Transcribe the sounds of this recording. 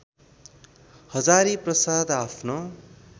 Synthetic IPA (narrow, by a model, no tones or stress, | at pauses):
hʌd͡zaɾiprʌsad̪apʰno